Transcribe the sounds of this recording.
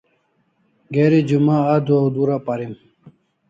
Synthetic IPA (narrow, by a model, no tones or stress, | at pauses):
ɡeɾid͡ʑumaːd̪uɐwd̪uɾapaɾim